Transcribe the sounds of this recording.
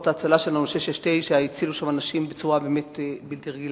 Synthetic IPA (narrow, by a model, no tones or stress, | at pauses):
t̪aːt͡salaʃelanuʃeʃeʃt̪ejʃeait͡siluʃamanaʃimbet͡suʁabe̞ːme̞tbilt̪iʁeɡil